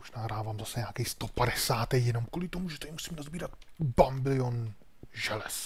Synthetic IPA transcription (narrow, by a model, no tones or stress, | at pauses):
moʒnaːɦɾaːvaːmzasɛɲaːkɛjst̪opadɛsaːt̪ɛjjɛno̞mkulɪt̪omuʒɛt̪aimusiːmnazbiːɾat̪bambɪlɪon | ʒɛlɛs